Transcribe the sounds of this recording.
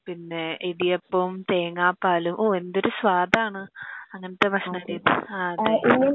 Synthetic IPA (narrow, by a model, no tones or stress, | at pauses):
pinːe̞iðijepːɐmt̪eːŋːaːpːaːlumʔoːe̞nd̪o̞ɾusʋaːd̪ʱaːɳɨɐŋːɐnɐt̪ːebʱɐʂɳɐɐɽijɐðɨ̰aɐðe